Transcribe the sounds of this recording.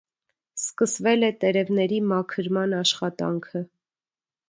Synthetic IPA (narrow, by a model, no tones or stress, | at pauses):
skəsvɛlɛt̪ɛɾɛvnɛɾimɑkʰəɾmɑnɑʃχɑt̪ɑ̰ŋkʰə